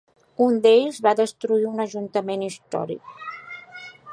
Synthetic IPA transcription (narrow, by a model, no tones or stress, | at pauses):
und̪eʎzβaðəst̪ɾuiunəʒunt̪əmenist̪ɔ̰ɾḭk̚